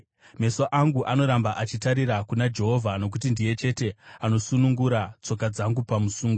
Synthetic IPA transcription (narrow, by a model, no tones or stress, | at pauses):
me̞soʔaŋɡuʔano̞ɾambaʔat͡ʃitaɾiɾakunad͡ʒe̞ɦo̞vʱano̞k̬ut̬indije̞t͡ʃe̞te̞ano̞sunuŋɡuɾat͡so̞kad͡zaŋɡupamusuːŋɡo